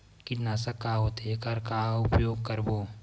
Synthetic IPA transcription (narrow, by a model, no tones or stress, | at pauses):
kinasɐkaɦot̪ʰeːkɐɾkaːʊpjoːɡ̚kɐɾboː